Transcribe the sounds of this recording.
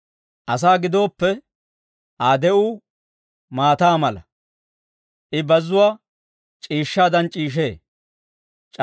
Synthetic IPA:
ʔɐs̬aːɡɪd̪o̞ːpːɛ | ʔaːd̪ɛʔuː | maːt̪aːmɐlɐ | ʔɪbɐzːʊwaː | t͡ʃʼiːʃːaːd̪ɐnt͡ʃʼiːʃ̬e̞ː | t͡ʃʼ

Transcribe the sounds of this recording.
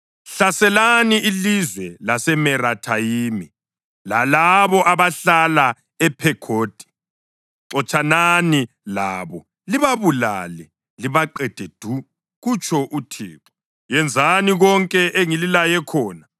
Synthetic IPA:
ɬasɛlaniilizwɛlasɛmɛɾatʰajimi | lalaβɔʔaβaɬala | ɛpʰɛkʰoːd̥ʱi̥ | ǀɔt͡ʃʼanani | laːβɔ | liβaβula̰ːlɛ | liβaǃɛd̥ʱed̥ʱu | ɣut͡ʃʰʼɔʔutʰḭːǁɔ̥ | jɛnd͡zʱaniɣɔŋkʼɛʔeŋililajɛkʰɔːna

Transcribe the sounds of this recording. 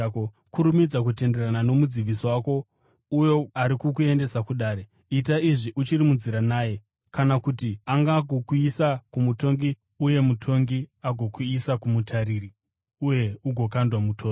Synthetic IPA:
o | kuɾumid͡zak̬ute̞nde̞ranano̞mud͡ziʋisowako̞ | ujo̞aɾikukue̞nde̞sakuɗaːɾe | it̬aiʐiʔut͡ʃirimunziɾanaːje̞ | kanakutiaŋɡaːɡʱokuisakumuto̞ŋɡi | uje̞mutʰo̞ŋɡiaɡʱo̞kuisakumutʰaɾiri | uje̞uɡʱo̞kandwamutʰoː

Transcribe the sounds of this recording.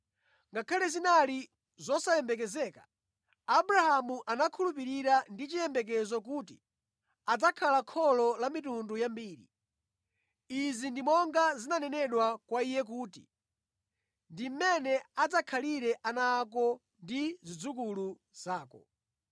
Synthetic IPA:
ŋɡakʰalɛzinali | zɔsajɛmbɛk̬ɛzɛːkḁː | buɾahamuʔanakʰulupiɾiɾandit͡ʃijɛmbɛk̬ɛzɔk̬uːtḭ | ad͡zakʰalakʰɔlɔlamitundujambiːɾḭ | izindimɔŋɡazinanɛnɛɗwakwaijɛk̬uːtḭ | ndim̩mɛnɛad͡zakʰaliɾɛʔanak̬ɔ | ndizid͡zukulu | z̥aːkɔ̰

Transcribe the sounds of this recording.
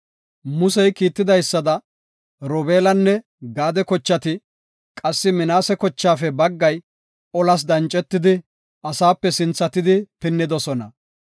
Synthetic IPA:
mʊsɛjkiːt̪ːɪd̪ɐjsːɐd̪ɐ | ɾɔbe̞ːlɐnːɛ | ɡaːd̪ɛkɔt͡ʃːɐt̪ɪ | kʼɐsːɪmɪnaːsɛkɔt͡ʃːaːfɛbɐɡːɐj | ɔlɐs̬d̪ɐnt͡ʃʼːɛt̪ːɪd̪ɪ | ʔɐsaːpːɛsɪnt͡sːɐt̪ɪd̪ɪpɪnːɪd̪ɔsɔnɐ

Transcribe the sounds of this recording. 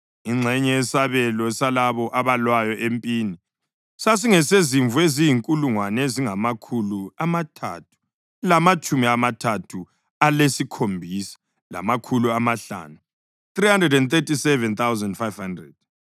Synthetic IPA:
iŋ͡ǀʱɛɲɛɛsaβɛlɔsalaβɔʔaβalwajɔʔempʼiːni | sas̬iŋɛseziɱvuezijiŋkʼuluŋwanziŋamakʰuluamatʰa̰ːtʰu̥ | lamat͡ʃʼumiamatʰatʰu | alesikʰombʱiːsɛ̥ | la̰makʰuluamaɬa̰ːnu | θrihandrɛdɛnt̪etisɛvɛnt̪awzandfajv̥handrɛd̥̚

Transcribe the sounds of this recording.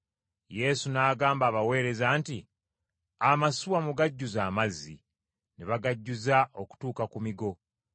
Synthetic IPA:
je̞ːsunaːɡaːmbaːβawe̞ːɾe̞zaːnti | amasuwamuɡaɟːuzaːmazːḭ | neβaɡaɟːuzaʔo̞ku̥tuːkakumiɡo̞

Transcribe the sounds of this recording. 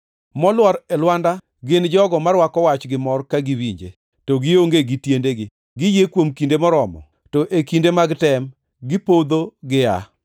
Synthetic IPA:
mɔlwɔɾɛlwanda | ɡɪnd͡ʒɔɡɔmarwakɔwat͡ʃɡɪmɔrkaɡɪwiɲd͡ʒḛ | toɡɪoŋɡeɡɪtjendeɡɪ | ɡɪjekwomkindemɔɾɔmɔ̰ | tɔʔekindemaɡtɛm | ɡɪpod̪oɡɪa̰

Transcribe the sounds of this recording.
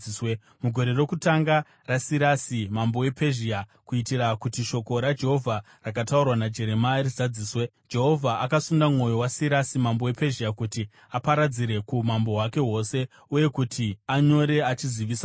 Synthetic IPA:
swe | muɡʱo̞ɾe̞ro̞kutaŋɡa | rasiɾasimambo̞we̞pʰe̞ʒiakuitirakutiʃo̞ko̞ɾad͡ʒe̞ɦo̞vʱa | rak̬ataurwanad͡ʒe̞ɾe̞maruzad͡ziːswe | d͡ʒe̞ɦo̞vʱaʔakasundamŋo̞jo̞wasiɾasimambo̞we̞pe̞ʒiakuti | apaɾad͡ziɾe̞kumambo̞wake̞ɦo̞se̞ | uje̞kutʰiaɲo̞ɾe̞at͡ʃiziʋiːsa

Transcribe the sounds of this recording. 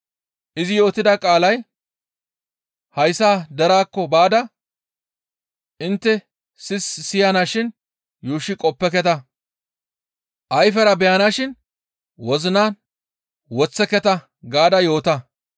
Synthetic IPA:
ʔɪzɪjo̞ːt̪ɪd̪ɐkʼaːlɐj | hɐjsaːd̪ɛɾaːkːɔbaːd̪ɐ | ʔɪnt̪ːɛ | sɪssɪjɐnaːʃɪn | juːʃːɪkʼɔpːɛkɛt̪ɐ | ʔɐjfɛɾɐbɛjɐnaːʃɪn | wɔzɪnaːn | wɔt͡sːɛkɛt̪ɐ | ɡaːd̪ɐjo̞ːt̪ɐ

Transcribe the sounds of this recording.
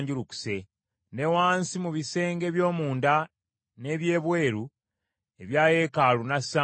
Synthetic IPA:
ɲɟuluku̥se̞ | ne̞waːnsimuβise̞ːŋɡe̞βjo̞ːmuːnda | ne̞ːβje̞ːβwe̞ːɾu | e̞βjaːje̞ːkalunasa

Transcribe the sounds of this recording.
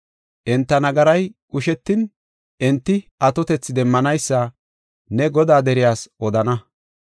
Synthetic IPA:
ʔɛnt̪ːɐnɐɡɐɾɐjkʼʊʃɛt̪ːɪn | ʔɛnt̪ːɪʔɐt̪ɔt̪ɛt͡sːɪd̪ɛmːɐnɐjsːɐ | nɛɡɔd̪aːd̪ɛɾɪjaːsʔɔd̪ɐnɐ

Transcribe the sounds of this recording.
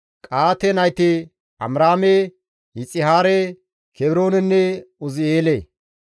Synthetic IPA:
kʼaːt̪ɛnɐjt̪ɪ | ɐ̰mɾaːme | hɪt͡sʼːɪɦaːɾe | kʰɛbɾoːnɛnːɛʊzɪeːle

